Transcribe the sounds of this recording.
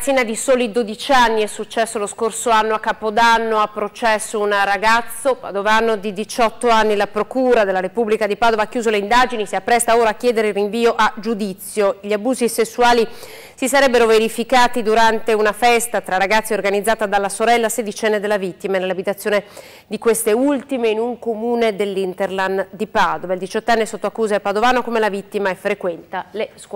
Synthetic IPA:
siːnad̪isoːlid̪od̪it͡ʃanːiɛsːut͡ʃːɛsːoloskorsoanːoakːapod̪anːoapːɾot͡ʃɛsːounraɡat̪sːopa̰d̪ovanod̪id̪it͡ʃɔt̪ːoanːilapɾokuːɾad̪elːaɾepublikad̪ipaːd̪ovakjuːzoleind̪ad͡ʒinisiapːɾɛst̪aoːɾaːkːjɛːd̪eɾeilriɱviːoʔad͡ʒud̪it̪sːjoʎiabuːzisesːuaːli | sisaɾɛbːeɾoveɾifikaːt̪id̪uɾant̪eunafɛst̪at̪ɾaraɡat̪sːiorɡanid̪zːaːt̪ad̪alːasoɾɛlːased̪it͡ʃɛnːed̪elːavit̪ːimanelabit̪at̪sːjoːne | d̪ikwest̪eult̪imeinuŋkomuːned̪elːint̪erland̪ipad̪ovaild̪it͡ʃɔt̪ːanːisot̪ːoakːuːzaepad̪ovaːnokomelavit̪ːimaefɾekwɛnt̪alesk

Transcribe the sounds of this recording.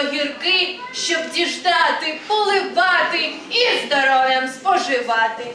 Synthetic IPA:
ɦʲirkɪ | ʃt͡ʃɔbdʲiʒd̪ɑt̪ɪpɔlˠɪʋɑt̪ɪ | izd̪ɔɾɔwʲjɐmspɔʒɪʋɑt̪ɪ

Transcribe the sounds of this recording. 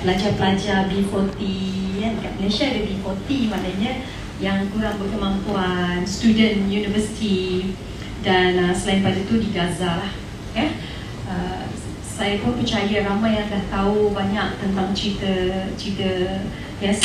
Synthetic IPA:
bəlaɲt͡ʃapəlad͡ʒabikɔt̪ijanəkaʔ̚məleʃadəbiɦɔt̪imãnaɲə̃ | jaŋkuɾaŋbərkəmãŋpuanst̪udənjunivəsi̥t̪i | danəsəlainplad͡ʒat̪udiɡazah | ja | ə | sajakɔ̃pət͡ʃajaɾamãjãŋt̪əlaht̪aubaɲak̚t̪ənt̪aŋt͡ʃɾit̪ət͡ʃɾit̪ə | ja

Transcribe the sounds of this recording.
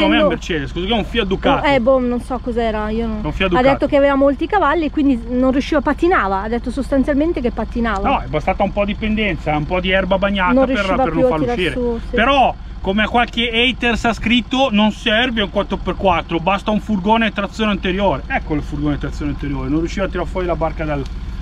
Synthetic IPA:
meammert͡ʃɛːd̪eskosikɛuɱfiad̪ukatɛbononsɔkːɔzɛːɾaioɛũfiad̪uadk̪et̪ːokeavevamolt̪ikavalːikwind̪inonrijuʃːiːvapat̪ːinaːvaːd̪et̪ːosost̪ant̪sjalment̪ekepːat̪ːinaːvanɔɛbast̪aːt̪aumpɔd̪ipend̪ɛnt̪saɛumpɔd̪iɛrbabaɲːaːtnanrjiueʃɾiavapeɾnõatfaɾiɾaiɾeupeɾɔ | komeakːwalkeɛjt̪ersaskɾit̪ːononsɛrveuŋkwat̪ɾoperkwat̪ːɾobast̪auɱfurɡoːnet̪ɾat̪sːjoːneant̪eɾjoːɾeʔɛkːolfurɡoːnet̪ɾat̪sːonant̪eɾjoːɾenonrjuʃːivaːt̪ːiɾarfwɔːɾilabarkad̪el

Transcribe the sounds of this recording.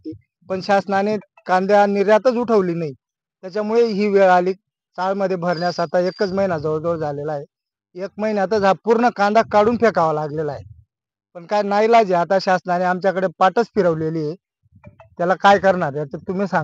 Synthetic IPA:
i | pəɳɕasnane | kãnd̪janiɾjat̪ət͡suʈʰəʋliːnai | t̪jat͡ɕjamuɭeɦiːʋeɭaliː | t͡saɭməd̪ʱːjebʱəɾɳjasat̪aekət͡sməɦinad͡zəəɭd̪oɾd͡zʱalelaɦe | ek̚məɦinjat̪̬əd͡zʱapuɾɳəkãnd̪ʱakːaɽuːnpekaʋalaɡlelaaɦe | pəɳkajnajlad͡zeat̪aɕasnaneamt͡ɕjakəɽepaʈət͡spʰiɾəʋleliːje | t̪jalakajkəɾɳaɾjat͡sət̪um̤iːsã

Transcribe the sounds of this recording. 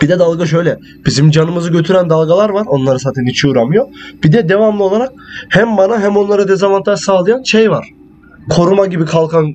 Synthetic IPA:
b̥id̪ɛd̪alˠɡaʃ̬ø̞jlʲɛ | b̥izimd͡ʒanɯmɯzɯɟø̞t̪ʰyɾænd̪alˠɡalˠaɾvaɾo̞nlˠaɾɯsaːt̪ʰɛnit͡ʃʰuːɾamɯjo̞b̥id̪ɛd̪e̞vamlˠɯo̞lˠaɾak̚hæmbanaɦæmo̞nlˠaɾɯd̪ezavant̪ʰaʃsaːlˠɯjanʃejvaɾ̥ | kʰo̞ɾumaɟibikʰalˠkʰan

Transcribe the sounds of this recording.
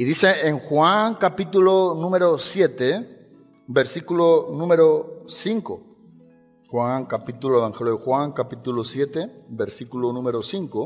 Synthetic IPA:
iðiseeŋxwaŋkapit̪ulonũmeɾosjet̪e | beɾsikulonũmeɾosiŋko | xwaŋkapit̪uloeβaŋxeljoðexwaŋkapit̪ulosjet̪ebeɾsikulonũmeɾosiŋko

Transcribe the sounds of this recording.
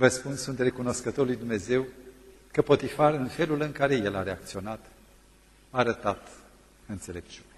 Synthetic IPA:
vəspunssunt̪re̞kuno̞skət̪o̞rlujd̪umne̞ze̞w | kəpo̞t̪ifarɨnfe̞lulɨŋkaɾe̞je̞la̰ɾeak̚t̪sio̞nat̪ | aːɾət̪at̪ | ɨnt̪se̞le̞p̚t͡ʃune

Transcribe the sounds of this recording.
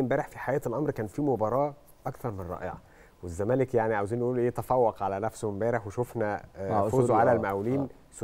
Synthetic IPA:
embæːɾeħfiħajæːt̪elʔɑmɾkæːnfiːmobɑɾˤɑː | ʔɑkθɑɾˤmenɾˤɑ̰ːʔḛʕɑ̰ | wezːæmæːlekjaʕniʕawziːnːʔuːlʔeːt̪æfɑwːɑqʕalænæfsomembæːɾeħweʃofnæfuːzoʕalælmæʔwliːn | s

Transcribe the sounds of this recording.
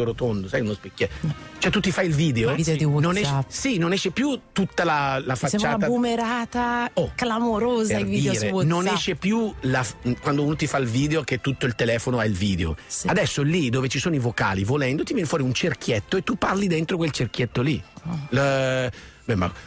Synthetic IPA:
oɾot̪ond̪osajunospekːjɛt͡ʃoɛt̪ut̪ːifajilviːd̪eod̪iwnonɛsinonɛʃːepjut̪ut̪ːalalafat͡ʃt͡ʃːaːaabumeɾaːt̪aoklamoɾoːzaviːɾenonɛʃːepjulakwand̪ouːnot̪ifailviːd̪eok̟et̪ːut̪ːoilt̪elɛːfonoailviːd̪eo̰ad̪ɛsːolid̪oːvet͡ʃisoːnoivoka̰ːlivolɛnd̪ot̪ivjɛnfwɔːɾiunt͡ʃerk̟jɛt̪ːoet̪ːupːarlid̪ent̪ɾokwelt͡ʃerk̟jet̪ːolil | bɛmːa̰

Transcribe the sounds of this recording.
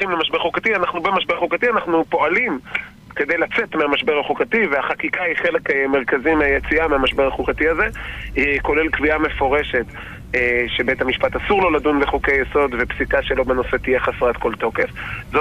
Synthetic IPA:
imlemaʃbe̞ʁχukatianaχnubemaʃbe̞ʁχukatianaχnupo̞alim | ke̞d̪ejlat͡se̞tmeamaʃbe̞ʁaχukativeaχakikaiχe̞le̞kmeʁkazimeajet͡siameamaʃbe̞ʁaχukatiaze̞ko̞lelkviame̞fo̞ʁe̞ʃe̞t | ʃebe̞jthamiʃpatasuʁlo̞ladunbeχukejeso̞d̪vepsikaʃe̞lo̞beno̞se̞t̪ije̞χasʁat̪ko̞lto̞ke̞fzo

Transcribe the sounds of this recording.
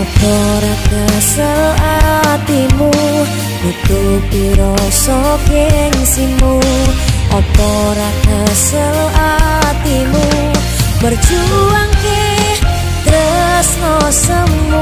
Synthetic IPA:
ɔpɔɾakəsəlat̪imu | ʔit̪upiɾɔsɔkjɛŋsimu | ʔɔpɔɾakəsəlat̪imu | bərd͡ʒuaŋke | t̪ɾə | snɔsɔŋ

